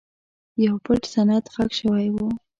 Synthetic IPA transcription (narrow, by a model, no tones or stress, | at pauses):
jawpəʈsanat̪ɣakʃəwajwu